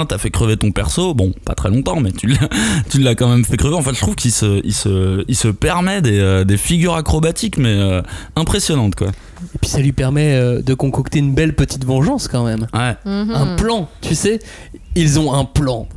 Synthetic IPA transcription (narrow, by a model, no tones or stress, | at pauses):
t̪yafɛkχəvet̪ɔ̃pɛʁsobɔ̃pa̰t̪χɛlɔ̃t̪ɑ̃mɛt̪ʰylat̪ylːakɑ̃mɛmfɛkχəveɑ̃fɛ̃ʒət̪χuv̥kilsəilsəilsəpɛʁmɛd̪eød̪efiɡʲyʁakχɔbat̪ikmɛøɛ̃pχesjɔnɑ̃t̪kwa̰ | epɥisalɥipɛʁmɛød̪əkɔ̃kɔkt̪eynbɛlpət̪ʰit̪vɑ̃ʒɑ̃skɑ̃mɛmwɛɛ̃plɑ̃t̪ʰysɛ | ilzɔ̃ɛ̃plɑ̃